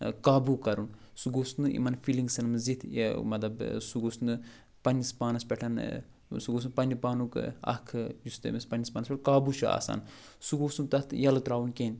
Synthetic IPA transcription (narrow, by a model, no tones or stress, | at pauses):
kaːbukɐɾun | suɡosnɨḭmɐnfiliŋɡsɐnmɨzit̪ʰmɐt̪lɐbsuɡoːsnɨ | pɐnʲispaːnɐspʲeʈʰɐn | suɡoːs̬unpɐnipaːnukɐ̰kʰɨjust̪ḛmispɐnispaːnɐspeʈʰkaːbuʃua̰ːsa̰ːn | suɡoːsunt̪ɐt̪ʰjɐlɐt̪ɾaːʋunkʲenʲ